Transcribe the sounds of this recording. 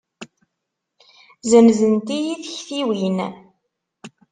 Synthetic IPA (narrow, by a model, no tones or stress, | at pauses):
zəmzənt̪ijiθçθiwin